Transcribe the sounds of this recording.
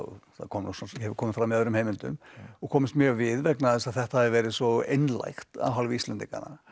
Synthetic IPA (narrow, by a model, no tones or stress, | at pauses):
θa̰kʰɔːmnɔsɔnsɛvʏɾkʰɔːmɪfɾamːiaðɾʏmhejmɪnt̪ʏ̰mɔkʰɔːmɪst̪mjœːɣvɪðvɛknaðɛsað̥θɛht̪ahaðɪvɛːɾɪsɔḛjnla̰jxt̪a̰wɦalvɪist̪lɛnt̪ika̰na̰